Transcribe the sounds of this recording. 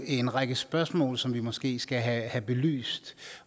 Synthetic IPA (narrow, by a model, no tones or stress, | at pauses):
nʁɑ̈ɡ̥əsb̥ɶɐsmɔ̰ːlsɒ̽mʋimɒ̽sɡ̥e̝̰ːsɡ̥æɦæhæb̥e̝ly̰ːsd̥